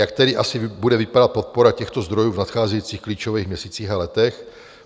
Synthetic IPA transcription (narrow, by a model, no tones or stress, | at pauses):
jak̚t̪ɛdɪʔasɪbudɛvɪpadat̪̚pot̪̚poɾacɛxt̪ozd̪ɾojuːvnat̪xaːzɛjit͡siːxkliːt͡ʃovɛːɣmɲɛsiːt͡siːɣalɛt̪ɛx